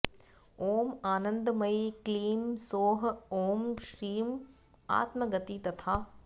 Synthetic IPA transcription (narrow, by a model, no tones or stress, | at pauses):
oːmaːnə̃nd̪mɐikliːmsoːɦoːmʃɾiːm | a̰ːt̪mɐɡɐt̪it̪ɐt̪ʰaː